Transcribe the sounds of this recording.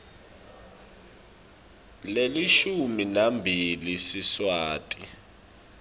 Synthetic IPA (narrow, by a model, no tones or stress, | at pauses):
leliʃuminambʱilisiswaːtʼi